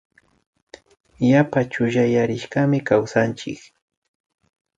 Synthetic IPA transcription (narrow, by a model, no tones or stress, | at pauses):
japat͡ʃʊʒajaɾɪʃɢɑmɪkawsant͡ʃɪk